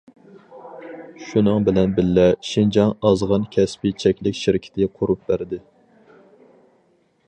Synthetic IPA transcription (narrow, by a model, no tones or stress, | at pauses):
ʃunɨŋbɪlɛnbɪlːɛʃind͡ʒɑŋɑzʁɑnkʲʰɛspɪt͡ʃʰɛkʲlɪkʲʃɪɾɪkʲʰɪ̥t̪ʰɪqʰoɾup̚bæɾd̪ɪ